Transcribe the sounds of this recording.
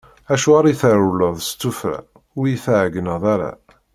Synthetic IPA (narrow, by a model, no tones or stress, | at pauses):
æʃuaɾˤiθəɾuləðˤst͡s̪ːufɾa̰ | ʊɾjiθʕɡənəðˤaɾa̰